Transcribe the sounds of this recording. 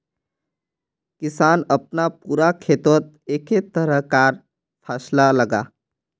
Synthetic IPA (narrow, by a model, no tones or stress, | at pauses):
kisanəp̚napuɾakʰet̪ot̪̚ | eket̪əɾəkaɾ | pʰaslaləɡa̰